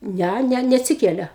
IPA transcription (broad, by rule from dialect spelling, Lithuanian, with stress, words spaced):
ˈnʲæ ˈnʲɛ nʲɛɐtʲˈsʲɪkʲɛlʲɛ